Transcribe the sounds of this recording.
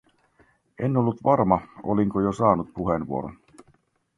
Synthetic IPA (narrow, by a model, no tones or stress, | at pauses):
enːolːut̪ʋɑrmɑo̰liŋkojosɑːnut̪̚puɦenʋuo̰ɾo̰n